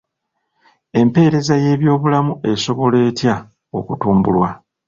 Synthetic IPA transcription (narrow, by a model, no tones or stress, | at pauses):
e̞mpe̞ːɾe̞zaje̞ːβjo̞ːβulamue̞so̞βo̞le̞ːtja | o̞̰kutuːmbulwa